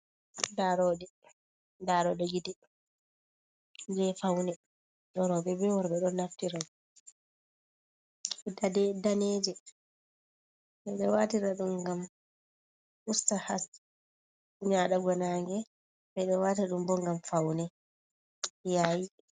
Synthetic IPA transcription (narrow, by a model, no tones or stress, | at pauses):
daɾɔɗɛ | daɾɔɗɛɡidɛ | d͡ʒɛfawnɛ | ɗɔɾɔbɛbɛwɔɾɓɛɗɔnːaftiɾa | dadɛdaneːd͡ʒɛ | ɓɛɗɛwatiɾaɗumɡam | ʔustahas | ɲaɗaɡɔnaːŋɡɛ | bɛɗɛwataɗumbɔŋɡamfawnɛ | jaji